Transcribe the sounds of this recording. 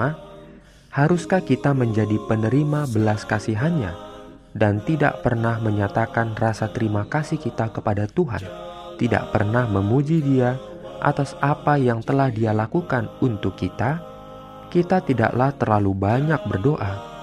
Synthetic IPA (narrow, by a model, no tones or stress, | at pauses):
a | haɾuskahkit̪aməɲd͡ʒadipənəɾimabəlaskasiɦanɲa̰ | dant̪ida̰ʔpərnahməɲat̪akanrasat̪əɾimakasihkit̪akəpadat̪uɦa̰n | t̪ida̰ʔpərnahməmud͡ʒidia | ʔa̰t̪asapajaŋt̪əlahdialakukanunt̪ʊkːit̪a | kit̪at̪ida̰ʔlaht̪ərlalubaɲak̚bərdoʔa